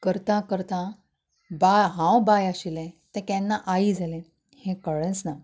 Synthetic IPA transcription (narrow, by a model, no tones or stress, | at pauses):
kəɾt̪ãkəɾt̪ã | bajɦãwbajaɕilẽt̪ɛ̃kɛ̃nːaʔaid͡zalɛ̃ | hẽkəɭɛ̃t͡sna